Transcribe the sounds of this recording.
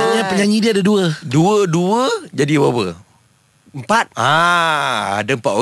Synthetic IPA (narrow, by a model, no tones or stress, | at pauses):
ɲapəɲaɲĩdiadəduəduəduəd͡ʒadiwawə | əmpat̪̚a | adəəmpa̰o